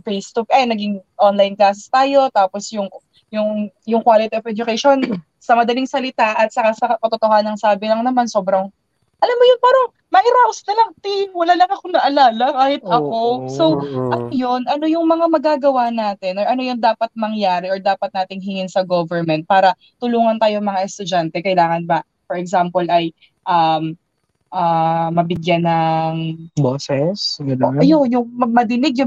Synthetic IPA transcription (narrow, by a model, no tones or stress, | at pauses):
fejst̪uk̚ʔɐjnɐɡɪŋʔonlajnklaːs̬ɪst̪aːjo̞t̪aːposjʊŋ | jʊŋjʊŋkwaːlɪt̪iovɛd͡ʒʊkɛjʃon | sɐmɐd̪ɐliŋsɐlɪt̪aʔɐt̪̚sɐkasɐkɐpɐt̪ot̪ohaːnɐŋsaːbɪlɐŋnɐmanso̞ːbɾɐŋ | ʔɐlamːojʊnpaːɾɐŋ | mɐɾawsnɐlɐŋt̪imwɐlaːlɐŋɐkonɐʔɐlaːlɐkaːhɪt̪̚ʔɐko̞soʔɐnojonʔɐno̞jʊŋmɐŋamɐɡaːɡɐwanaːt̪ɪnʔɔɹʔɐno̞jʊŋd̪aːpɐt̪̚mɐŋjaːɾɪʔɔɹd̪aːpɐt̪̚naːt̪ɪŋɦɪŋɪnsɐɡovɛɹmɛnt̪̚paːɾɐ | t̪ʊluːŋɐnt̪aːjoŋmɐŋaʔɛst̪ʊd͡ʒant̪ɛkɐjlaːŋɐnbɐ | fɛɹɛɡsampolʔɐj | ʔɐm | ʔamɐbɪɡjanːɐŋboːsɛsɡɐljojʊŋmɐmɐd̪ɪnɪɡ̚jʊ